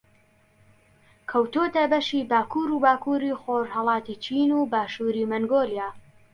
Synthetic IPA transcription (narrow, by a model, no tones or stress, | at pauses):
kʰɐwt̪ot̪ɐbɐʃiːbaːkuːɾuːbaːkuːɾiːxoʒhɐlˠɑːt̪it͡ʃiːnuːbaːʃuːɾimɐŋɡoːljaː